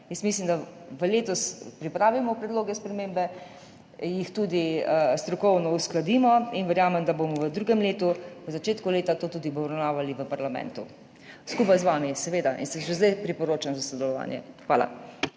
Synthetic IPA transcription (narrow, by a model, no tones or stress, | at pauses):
jəst̪mislimd̪aʋəleːt̪ɔspɾipɾaːʋimɔpɾɛd̪loːɡɛspɾɛmẽmbɛ | jixt̪ud̪iəst̪ɾɔkɔwnɔusklad̪imɔinʋəɾjaːmɛmd̪abomɔʋəd̪ɾuːɡɛmleːt̪uʋəzat͡ʃeːt̪kuleːt̪at̪oːt̪uːd̪ibɔɾawnaːʋaliʋəpaɾlamɛ̰̃nt̪u | skupajzʋaːmisɛʋeːd̪aʔḭnsəmʃɛzd̪ɛjpɾipɔɾoːt͡ʃanzasɔd̪ɛlɔʋa̰ːnjɛ̰xʋaːla̰